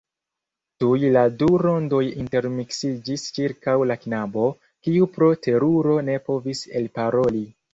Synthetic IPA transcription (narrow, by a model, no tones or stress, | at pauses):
tujladuɾo̞ndo̞jinte̞ɾmiksid͡ʒist͡ʃiɾkawlaknabo̞ | kiupɾo̞tʰe̞ɾuɾo̞ne̞po̞vise̞lpaɾo̞li